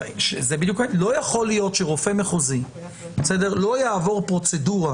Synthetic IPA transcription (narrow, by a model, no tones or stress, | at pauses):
ʃezebid̪juklo̞jaχo̞lijo̞t̪ʃeʁofemeχozi | besedeʁlo̞jaːvo̞ʁpʁo̞t͡seduʁa